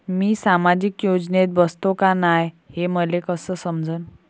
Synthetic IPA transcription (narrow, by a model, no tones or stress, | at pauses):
miːsamad͡ʑikjod͡ʑnet̪̚bəst̪okanaj | heməlekəsəːsəmd͡zʱən